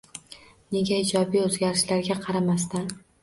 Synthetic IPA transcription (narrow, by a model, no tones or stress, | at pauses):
ne̞ɡʲaɪd͡ʒɒbijɵzɡʲaɾɪʃlaɾɡʲaqʰɑɾamast̪an